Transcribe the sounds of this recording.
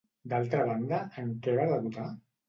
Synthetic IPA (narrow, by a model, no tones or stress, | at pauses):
d̪alˠt̪ɾəβ̞and̪əəŋkɛβaɾðəβut̪a